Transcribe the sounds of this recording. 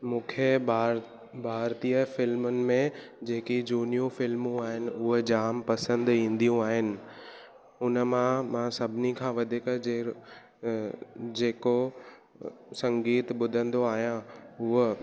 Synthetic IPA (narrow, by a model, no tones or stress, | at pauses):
mũːkʰeɾ | bʱaːɾt̪ijəfɪlmʊnɪ̆mẽd͡ʑeːkid͡ʑuːnijũfɪlmũaːɦɪnɪ̆ʊɦd͡ʑaːmpɐsə̃nd̪ĩːn̆d̪ijũaːɦɪnɪ̆ | ʊnə̆mãmãːsɐbʱɪnikʰãːʋɐd̪ʱɪkəd͡ʑeː | d͡ʑeːko | sɐ̃ŋɡiːt̪ɓʊd̪ʱə̃nd̪oaːɦijãʊɦə